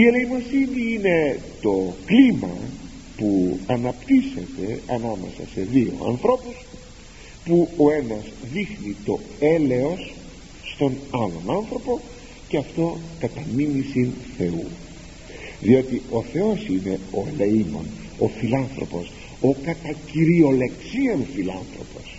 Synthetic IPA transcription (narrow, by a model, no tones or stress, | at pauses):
ie̞le̞imosiniine̞t̪o̞klimɐ̰ | puɐnɐpt̪ise̞t̪e̞ɐnɐme̞̰sɐ̰se̞ðio̞̰ɐ̰nθɾo̞pus | puo̞e̞nɐzðixnit̪o̞e̞le̞o̞sː | t̪o̞nɐlo̞nɐnθɾo̞po̞ | ceɐft̪o̞kɐt̪ɐminisinθe̞ṵ | ðio̞t̪iʔo̞θe̞o̞sine̞o̞eleimo̰n | o̞filɐnθɾo̞̰po̞s | o̞kɐt̪ɐciɾio̞le̞ksiɐnfilɐ̰nθɾo̞̰po̞s